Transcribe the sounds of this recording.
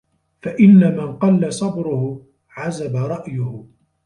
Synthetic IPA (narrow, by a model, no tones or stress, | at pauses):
faʔɪnːamanqɑlːasˤɑbɾʊhʊ | ʕazabaɾˤɑʔjʊhʊ